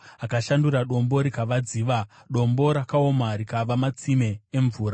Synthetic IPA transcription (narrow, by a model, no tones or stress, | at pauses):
akaʃanduɾaɗo̞mbo̞ɾikaʋad͡ziːʋa | ɗo̞mbo̞ɾakao̞maɾikaʋamat͡sime̞ːɱvuːra